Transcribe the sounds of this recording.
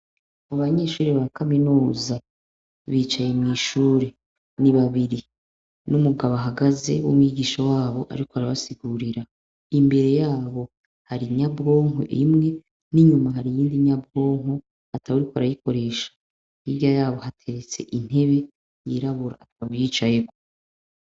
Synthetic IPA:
aβaɲe̞ʃuːɾiβakaminuːza | βiːt͡ʃaje̞mŋiːʃuːɾe | niβaβiɾi | numuɡaβaɦaɡaze̞wumŋwiːɡiːʃowaːβo̞ʔa̰ɾikoaɾaβasiɡuɾiɾa | imbe̞ɾe̞jaːβo̞ | haɾiɲabɡo̞ːŋo̰ʔḭmŋe̞ | niɲumaɦaɾijiːndiɲabɡo̞ːŋ̥o | ataβuɾikoa̰ɾajiko̞ɾe̞ːʃḁ | ijajaːβo̞hatʰe̞ɾet͡se̞̰ʔin̥he̞βe̞ | jiɾaβuɾa̰ːtʰaβujit͡ʃaje̞ko

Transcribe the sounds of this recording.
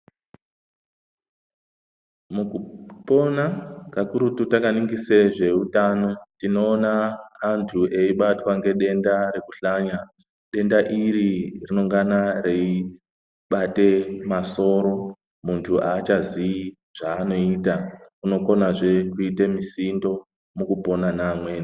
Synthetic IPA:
mukupo̞nakakuɾututakaniŋɡiseʐe̞utano̞tino̞ːnaːntʰuʔe̞iɓatwaŋɡe̞ɗe̞ndaɾe̞kuɬaɲa | ɗe̞ndaʔiɾirino̞ŋɡanare̞i | ɓate̞maso̞ːɾo̞ | muntʰuʔaːt͡ʃazii | ʐ̥aːno̞itakuno̞ko̞naʐe̞kuitemisindo̞ | mukupo̞nanamwe̞ːni

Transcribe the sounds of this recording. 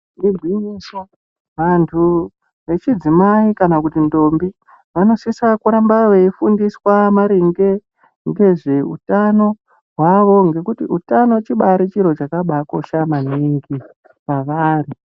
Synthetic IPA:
nibʱwiniʃa | ʋantʰu | ʋe̞t͡ʃid͡zimaikanakutindo̞mbi | ʋano̞sisakuɾambaʋeifundiswamaɾiŋɡe̞ | ŋɡe̞ʐe̞ṵtano̞ | ɦwaʋo̞ŋɡe̞kutiutano̞t͡ʃiɓaɾit͡ʃiɾo̞t͡ʃakaɓako̞ʃamaniŋɡi | ʋaʋaːri

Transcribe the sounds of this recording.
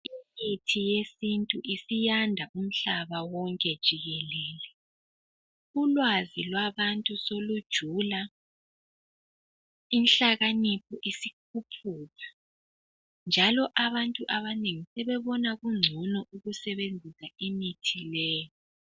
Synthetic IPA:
iŋitʰijesintʼuʔisijandʱaʔum̩ɬaβawɔŋkʼɛd̥ʒ̥ʱiɣɛlɛːlɛ | ulwazilwaβantʼusolud̥ʒ̥ʱuːla | inɬaɣanipʰɔʔisikʰupʰuːɣa | nd͡ʒʱalɔʔaβantʼuʔaβaneŋisɛβɛβɔnaɣuŋ͡ǀʱunɔʔuɣusɛβend͡zʱisaemitʰilɛːjɔ

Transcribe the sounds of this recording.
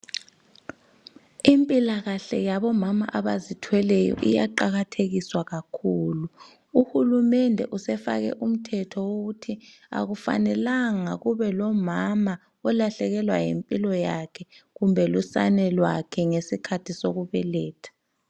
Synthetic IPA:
impʼilaɣaɬɛjaɓɔmama̰ʔaɓazitʰwɛlɛjɔ̰ʔija̰ǃaɣ̬atʰek̬iswaɣakʰuːlu | uhulumɛndʱɛ̰ʔusɛfa̰k̬ɛ̰ʔum̩tʰɛtʰɔwok̬utʰi | a̰k̬ufa̰nɛlaŋak̬uβɛlɔmama | ɛlaɬɛk̬ɛlwajempʼilɔjakʰɛkumbʱɛlusa̰nɛlwakʰɛŋesikʰatʰisok̬uɓɛlɛːtʰḁ

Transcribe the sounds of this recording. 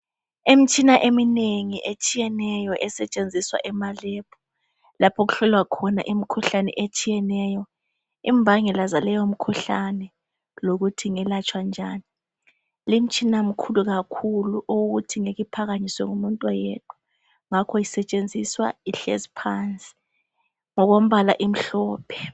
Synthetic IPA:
im̩t͡ʃʼinaʔemineŋiʔet͡ʃʼijɛnɛjɔʔɛsɛt͡ʃʼend͡zʱiswa̰ʔɛmalɛpʰɔ̥ | lapʰɔɣuɬɔlwakʰɔna̰ʔim̩kʰuɬanɛ̰ʔet͡ʃʼijɛnɛjɔ | ḭmbʱaŋɛlazalɛjom̩kʰuɬanɛ | loɣutʰiŋɛlat͡ʃʼwand͡ʒʱaːni | lim̩t͡ʃʼinam̩kʰuluɣakʰuluʔowuɣutʰiŋeɣipʰaɣaɲiswɛŋumuntʼwajɛtʼwa | ŋakʰɔjisɛt͡ʃʼend͡zʱiswa̰iɬezipʰant͡sʼi̥ | ŋɔɣom̩βala̰ʔim̩ɬɔːpʰɛ̥

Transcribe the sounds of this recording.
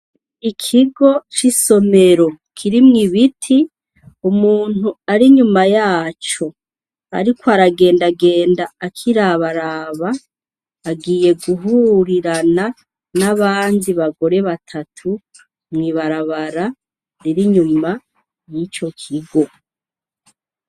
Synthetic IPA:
ikʰiɡo̞t͡ʃiso̞me̞ɾo̞kʰiɾimŋiβitʰi | umuːn̥uaɾiɲumajaːt͡ʃo̞ | a̰ɾikwaɾaɡe̞ːndaɡe̞ːndaːkʰiɾaβaɾaβaː | ɡiːje̞ɡuɦuɾiɾana | naβaːndiβaɡo̞ɾe̞βatʰatʰu | mŋiːβaɾaβaɾa | ɾiɾiɲuma | nit͡ʃo̞kʰiɡo̞

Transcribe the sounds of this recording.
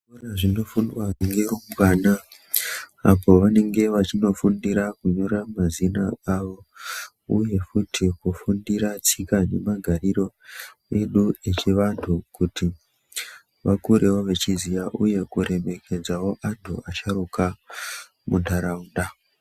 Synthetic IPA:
uraʐino̞fundwaʐiŋɡeromkaːnaː | po̞ʋane̞ŋɡe̞ʋat͡ʃino̞fundiɾakuɲo̞ɾamazinaaʋo̞ | uje̞futʰikufundiɾat͡sikane̞maɡʱariɾo̞ | e̞ɗue̞t͡ʃiʋantʰukuti | ʋakuɾe̞wo̞ʋe̞t͡ʃizijaʔuje̞kuɾe̞me̞ke̞d͡zawo̞ʔadʱo̰at͡ʃaɾuka | mundaɾaunda

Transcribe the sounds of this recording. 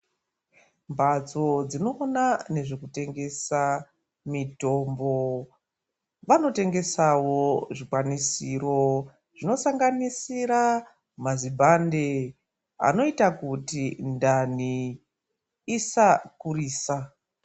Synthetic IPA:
mbʱat͡so̞d͡zino̞ːnane̞ʐe̞kute̞ŋɡe̞sa | mito̞mbo̞ | ʋano̞te̞ŋɡe̞sawo̞ʐikwanisiɾo̞ | ʐ̥ino̞saŋɡanisiɾa | mazibʱande̞ | a̰no̞itakutindani | sakuriːsa

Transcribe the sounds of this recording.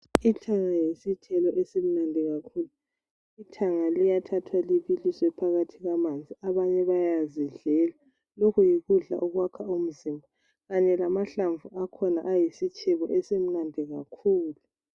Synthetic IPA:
itʰaŋajisitʰɛlɔʔesem̩nandʱɛɣakʰuːlu | itʰaŋalijatʰatʰwaliβilisɔɛpʰaɣatʰiɣamand͡zʱiaβaɲɛβajaziɮɛla | lokʰujiɣuɮa̰ʔuɣwakʰaum̩zimbʱa | ɣaɲɛlamaɬaɱvuʔakʰɔnaʔajisit͡ʃʰʼɛβɔʔɛsem̩nandʱiɣakʰuːlu

